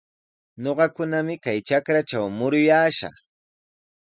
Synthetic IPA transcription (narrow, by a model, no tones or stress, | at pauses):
ɲoɢɑkʊnamɪkajt͡ʃakɾat͡ʃawmʊɾʊjaːʃɑ̰